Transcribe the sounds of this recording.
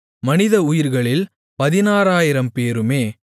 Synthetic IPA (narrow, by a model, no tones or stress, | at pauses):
mɐnɪðɐʊjɪɾɣɐɭɪl | pɐðɪnaːɾaːjɪɾɐmpeːɾɯmeː